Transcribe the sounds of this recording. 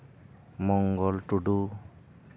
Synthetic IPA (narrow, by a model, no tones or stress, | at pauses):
mɔŋɡɔlʈuɖu